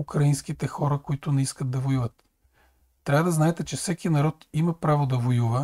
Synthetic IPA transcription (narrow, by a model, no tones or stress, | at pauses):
ukɾɐinsk̟it̪ɛxɔɾəkoit̪ʊnɛiskət̪d̪̚d̪ɐvojuvət̪ː | ɾʲavəd̪ɐznaɛt̪ɛt͡ʃɛfsɛkʲinɐɾɔt̪imɐpɾavod̪ɐvojuvə